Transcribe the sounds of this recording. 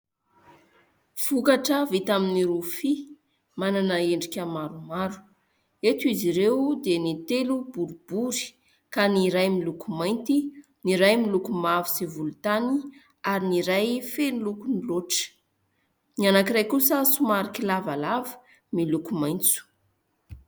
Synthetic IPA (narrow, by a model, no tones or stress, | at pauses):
v̥ukaʈ͡ʂəvit̪aminiɾufi | mananaeɳɖ͡ʐikʲamaɾumaɾu̥ | et̪uiziɾewd̪enit̪elubuɾubuɾi̥ | kaniɾajmilukumajnt̪i | niɾajmilukumavisivulut̪ani | aɾiniɾajfenilukuniloʈ͡ʂə̥ | nianakiɾajkusəsumaɾikilavalavə̥ | milukumajnt͡su̥